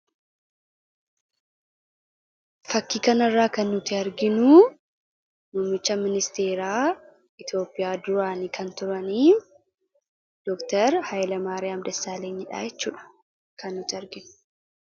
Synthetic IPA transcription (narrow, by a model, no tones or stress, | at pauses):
fɐkːiːkɐnɐrːaːkɐnːʊt̪ɪɐɾɡɪnʊ | mʊːmːɪt͡ʃːɐmɪnɪst̪e̞ːɾaː | ɪt̪jo̞ːpʼːɪjaːd̪ʊɾaːniːkʰɐnt̪ʊɾɐniː | d̪̥ɔkt̪ɐɾhɐjlɐmaːɾeːɐmd̪ɛsːaːleːɲːɪᶑa̰ːjɛt͡ʃːṵːᶑɐ̥ | kʰɐnːʊt̪ɪɐɾɡɪnʊ̥